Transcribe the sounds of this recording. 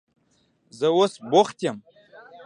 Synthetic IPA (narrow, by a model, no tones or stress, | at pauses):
zəwosboχt̪ʲjam